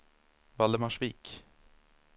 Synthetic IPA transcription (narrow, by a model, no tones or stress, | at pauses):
vald̪əmaʂviːk